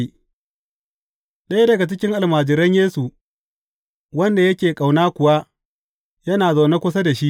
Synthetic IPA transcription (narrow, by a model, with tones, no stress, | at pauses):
ɗɐ˦jdɐ˨ɡa˨t͡ʃɪ˦kʲɪ˦ŋʔa˨lmaː˨d͡ʒɪ˨ɾɐ˦ɲjeː˦su˨ | wɐ˦nda˨jɐ˦kʲeː˨kʼa˨wnaː˦kʷʊ˨wa˦ | jɐ˦naː˨za˨wna˦kʷʊ˦sa˦da˨ʃi˦